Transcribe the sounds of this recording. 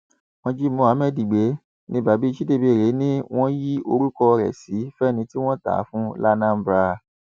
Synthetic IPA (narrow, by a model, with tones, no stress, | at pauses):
wɔ̃˧d͡ʒi˦mɔ̃˧˨a˨˦mɛ˦˨di˨ɡ͡be˨˦ | nĩ˦ba˨bi˨˦i˧ʃi˦de˧˨be˧˨ɾe˨˦nĩ˦w̃ɔ̃˦ji˦o˧ɾu˦kɔ˧ɾɛ̰˨si˨˦fɛ˦˨nĩ˧ti˦w̃ɔ̃˦ta̰˨˦fũ˦la˦nã˦m˦bɾa˧